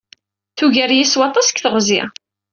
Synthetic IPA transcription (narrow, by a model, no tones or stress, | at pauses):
θuʝæɾjiswɑt̪ˤɑskθəʁzḭ